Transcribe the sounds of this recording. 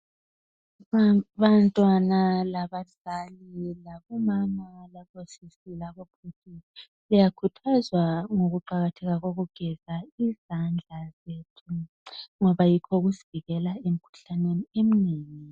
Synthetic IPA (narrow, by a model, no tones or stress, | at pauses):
βantʼwanalaβaɮalilaβɔmamalaβosisilaβopʰutʰi | lijakʰutʰazwaŋoɣuǃaɣatʰɛɣaɣoɣuɡ̥ʱɛzaizand͡ɮʱazetʰu | ŋɔβajikʰɔɣuziviɣɛlaem̩kʰu̥ɬaneniem̩niːŋi